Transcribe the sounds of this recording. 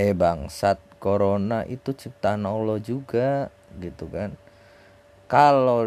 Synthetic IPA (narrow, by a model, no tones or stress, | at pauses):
ebaŋsat̪̚koɾonaʔit̪ut͡ʃip̚t̪anolɔd͡ʒuɡa | ɡit̪ukan | kalo